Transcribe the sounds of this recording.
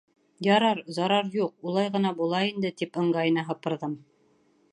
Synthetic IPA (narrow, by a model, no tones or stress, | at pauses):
jɑɾɑɾzɑɾɑɾjuq̚ulˠɑjʁɤ̆nɑbulˠɑind̪ɘt̪ipɤ̆ɴɢɑjɤ̆nɑɦɤ̆pɤ̆ɾðɤm